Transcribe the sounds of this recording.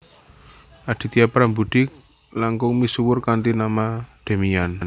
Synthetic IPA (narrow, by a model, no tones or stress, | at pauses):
ʔad̪̥i̤t̪iapɾambud̪̥ɪk̚ | laŋkʊŋmisuwʊrkant̪inamad̪̥e̤mian